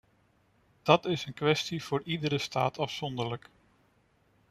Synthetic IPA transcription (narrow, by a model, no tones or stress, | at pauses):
d̥ɑtɪsənkʋɛstiv̥ʊːɹidəɾəsta̰ːtɑfsɔndəɹlək